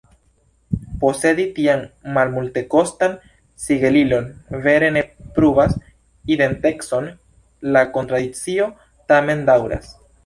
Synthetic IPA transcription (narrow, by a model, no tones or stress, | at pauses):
po̞se̞ditianmalmulte̞ko̞stan | siɡelilo̞nve̞ɾe̞ne̞pɾuvas | id̪e̞nte̞kso̞n | lako̞ntɾadit͡sio̞ | tame̞ndawɾa̰s